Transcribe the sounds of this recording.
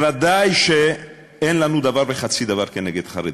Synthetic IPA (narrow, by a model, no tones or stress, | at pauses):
vad̪ajʃe | ɛnlanud̪avaɾbeχat̪sid̪avaɾkeneɡed̪χaɾe